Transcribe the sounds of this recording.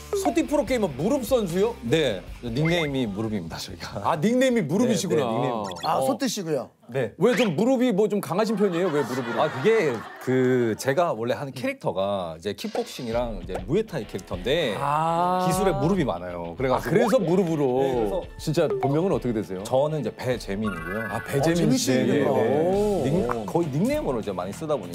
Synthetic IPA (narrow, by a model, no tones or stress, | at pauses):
sʰotʰipʰɯɾok̬͈eimɯnmuɾɯp̚s͈ʌns̬ʰujone̞niŋneimimuɾɯbimidat͡ɕʌiɡaaniŋne̞imimuɾɯbiɕʰiɡonaniŋneimasʰotʰiɕ͈iɡujo | ne̞we̞t͡ɕomːuɾɯbimwʌt͡ɕomkaŋɦaɕ̬ʰinpʰjʌɲejowe̞muɾɯbuɾakɯɡe̞kɯt͡ɕe̞ɡawʌɭːe̞ɦankʰe̞ɾik̚tʰʌɡaid͡ʑe̞kʰip͈ok̚ɕ͈iŋiɾaŋid͡ʑe̞muetʰakʰe̞ɾik̚tʰʌnde̞ | kisʰuɾe̞muɾɯbima̰najo̰kɯɾekakɯɾe̞s̬ʰʌmuɾubɯɾot͡ɕint͡ɕ͈apommjʌŋɯnʌt͈ʌkʰedwesʰe̞jot͡ɕʌnɯnid͡ʑe̞pe̞t͡ɕe̞miɲiɡejoaped͡ʑemi | iŋkʌiniŋnemɯɾoid͡ʑe̞ma̰ɲis͈ɯdaboɲik